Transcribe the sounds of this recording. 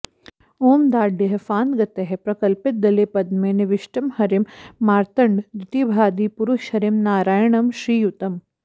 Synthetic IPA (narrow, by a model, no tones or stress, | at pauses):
oːmd̪aːɖiɦɐfaːnɡɐt̪eɦepɾɐkɐlpɪt̪̚d̪ɐleːpɐd̪meːneʋɪʃʈɐmhɐɾɪmːaːɾt̪ɐɳɖ̪ɾɪt̪ibʱaːd̪iːpuɾuʃhɐɾimnaːɾaːjɳɐmʃɾiːjut̪ɐm